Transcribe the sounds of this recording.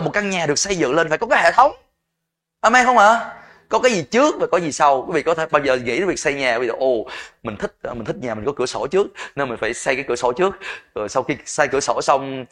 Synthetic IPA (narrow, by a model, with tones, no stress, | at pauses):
mo˨˩t̚ka˧ŋɲaː˨˩ɗɨ˨˩ək̚sə˧jzɨ̰˧˨ŋle˧nfaː˧˩jkɔ˨˦kaː˨˦hḛ˧˨t̪ʰə˨˦wŋ͡m | ʔəː˧˩ma˧jxə˧wŋ͡mʔaː˨˧˩ | kɔ˨˦kaː˨˦jzi˨˩t͡ɕɨ˦˥ək̚vaː˨˩kɔ˨˦zi˨˩sa˧wku˧˨˦vḭ˧˨kɔ˨˦t̪ʰe˧˩ɓa˧wzəː˨˩ŋḭ˧˥˨vi˨˩k̚sa˧jɲaː˨˩kːi˨ɔ˨˩ʔo˧˩mï˨˩ŋ̟t̪ʰï˦˥k̟̚ːmi̟˨˩t̪ʰi˦˥k̚ɲaː˨˩mï̟˨˩kɔ˨˦kɨ˧˩əso˧˩t͡ɕɨ˦˥ək̚ne˧nmï˨˩ŋ̟faː˧˩jsa˧jkaː˨˦jkɨ˧˩əso˧˩t͡ɕɨ˦˥ək̚ə˨˩jsa˧wxi˧sa˧jkɨ˧˩əso˧˩sa˧wŋ͡m